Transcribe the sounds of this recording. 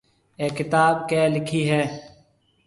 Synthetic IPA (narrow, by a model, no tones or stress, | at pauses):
eːkɪt̪aːbkɛːlɪkʰiːɦɛː